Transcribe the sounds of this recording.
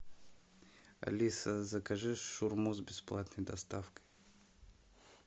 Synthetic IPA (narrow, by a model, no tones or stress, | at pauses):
ɐ̰lʲisəzəkɐʐɨʂːʊrmuzbʲɪsplˠat̪nəjd̪ɐst̪afkə̥j